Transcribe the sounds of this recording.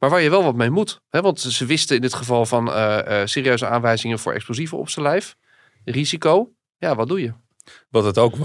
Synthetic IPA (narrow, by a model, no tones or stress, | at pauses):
maːɹʋaːɹjəʋɛlˠʋɑtmejmutɦɛʋɑntzəʋɪstəɪndɪtχəvɑlˠvɑnəseːɾiøɥzəaːnʋɛjzɪŋəvʊ̰ːɹɛ̰ksplozivəɔ̰psəlɛjf | rizikow | jaʋɑt̚dujə | ʋɑtətowk